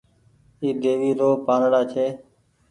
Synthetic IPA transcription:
iːd̪eːʋiːɾoːpaːnɽaːt͡ʃʰeː

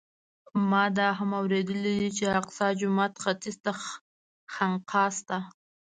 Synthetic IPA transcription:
mɑd̪ɑɦamawɾed̪əlid̪it͡ʃeaqsɑd͡ʒʊmat̪xat̪ist̪a | xaɴqʰɑst̪a

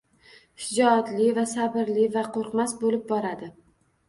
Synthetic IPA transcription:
ʃɪd͡ʒɒːt̪lɪvasabɪɾlɪvaqʰoɾqmasbolɪp̚bɒɾad̪ɪ

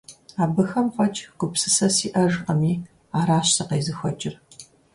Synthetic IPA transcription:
aːbɨxɐmfʷɐt͡ʃʰʼɡ̥ʷʊpsɨsɐsiːʔɐʒqɐmiː | aːɾaːɕsɐqejzɨxʷɔt͡ʃʼɪr

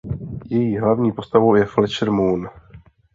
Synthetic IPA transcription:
jɛjiːɦlavɲiːpo̞st̪avowjɛflɛt͡ʃɾmun

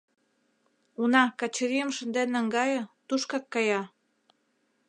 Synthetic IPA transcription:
unɑkɑt͡ɕəɾiəmʃə̆nd̪enəŋɡɑjə̆t̪uʃkɑkːɑjɑ

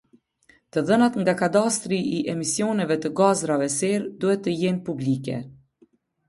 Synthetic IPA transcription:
t̪əðənat̪ŋɡakad̪ast̪ɾiʔiʔɛmisjɔnɛvɛt̪əɡazɾavɛsɛɾd̪uhɛt̪ːəjɛnpublikɛ̰

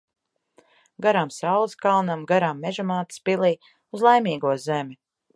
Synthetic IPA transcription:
ɡaɾamsawlˠɨskalˠnamɡaɾamːɛʒamaːt̪spilˠiː | uzlˠajmiːɡuɔzɛmʲi

